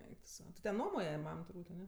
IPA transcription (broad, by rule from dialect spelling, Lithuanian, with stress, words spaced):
ˈɛɪk tʊ ˈsɐʊ tʲɪ tʲɛn ˈnuɔmoːjɛ ˈmɐm tʊrˈbuːtʲ ɐˈnʲɛ